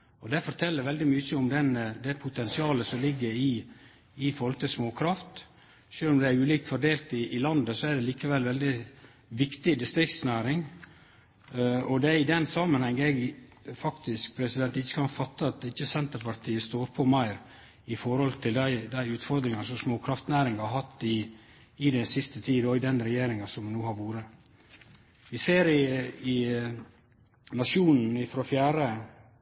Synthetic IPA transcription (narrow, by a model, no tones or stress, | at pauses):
ɔd̪ɛfɔɾt̪ʰɛlːəɾʋɛld̪ɪmyɕəɔmd̪ɛnd̪ɛpʰʊt̪ʰɛnsɪɑːləsɔmlɪɡːəɾɪ | ɪfɔɾɔɾɔlət̪ɪsmoːkʰɾɑft̪ | ʃøːlɔmd̪ɛæɾʉːliːk̚t̪fɔɖeːlt̪ɪʔɪlɑnd̪əsɔæɖɛliːkəʋɛlːʋɛld̪ɪ | ʋɪkt̪ɪd̪ɪst̪ɾɪkt̪snæːɾɪŋ | ɔd̪ɛɪd̪ɛnsɑːmənhɛŋːɛɡfɑkt̪ɪsk̚pʰɾɛsɪd̪ɛnt̪ɪçːə̥kʰɑnfɑt̪ːəɑt̪̚d̪ɪçːəsɛnt̪əɾpɑɾt̪ʰiːəst̪oːɾpʰɔmæɪɾ | ɪfɔɾhɔlt̪ʰɪld̪æɪd̪æɪʉːt̪fɔɾd̪ɾɪŋɑsɔsmoːkʰɾɑft̪næːɾɪŋɑɦɑt̪ːɪ | ɪd̪ɛnsɪst̪ət̪ʰiːoɪd̪ɛnɾɛjeːɾɪŋɑsɔmnuːhɑɾʋuːɾə | ʋɪseːɾɪɪ | nɑʃuːnn̩ɪfɾofjæːɾə